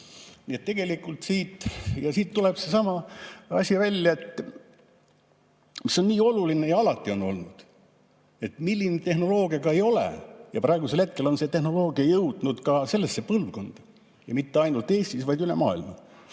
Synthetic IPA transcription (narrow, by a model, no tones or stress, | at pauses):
niet̪t̪ːe̞ɡe̞likˑult̪siːt̪ˑjɑsiːt̪ːule̞b̥se̞sɑmɑɑsʲivælʲːjɑe̞t̪ː | miso̞nniːo̞luline̞jɑɑlɑt̪ːˑio̞no̞̰lnud̪̥ | e̞t̪milʲːinet̪e̞hno̞lo̞ːɡijɑɡɑe̞jo̞lḛjɑpɾɑeɡuselhe̞t̪̚ke̞lo̞nse̞t̪e̞hno̞lo̞ːɡiɑjɤwd̪̥nud̪̥kɑse̞lːesːe̞pɤlvko̞nd̪̥ɑ̥ | jɑmit̪ːe̞ɑjnult̪e̞ːsʲt̪isvɑjd̪ylḛmɑ̰ːilmɑ̰